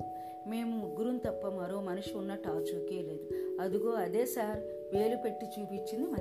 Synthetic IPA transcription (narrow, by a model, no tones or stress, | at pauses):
me̞ːmumuɡːuɾunt̪ɐpːɐmɐɾo̞ːmɐnuʂiunːɐʈaːt͡ʃuːkeːle̞ːd̪uɐd̪uɡo̞ːɐd̪e̞ːsaːɾ | ʋe̞ːlupe̞ʈːit͡ʃuːpit͡ʃːind̪imɐ